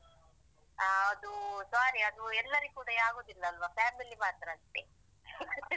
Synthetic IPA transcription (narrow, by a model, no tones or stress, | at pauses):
aːɐd̪usaːɾiɐd̪uɛlːɐɾikuːɽɐaːɡo̞ːd̪ilːɐːlʋapʰaːmilimaːt̪ɾɐːʂʈ̪ːe